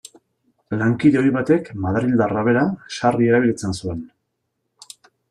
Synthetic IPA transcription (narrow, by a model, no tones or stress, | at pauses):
laŋkiðe̞o̞jβat̪e̞kmaðɾild̪araβ̞e̞ɾaʃarie̞ɾaβ̞ilit͡sensue̞n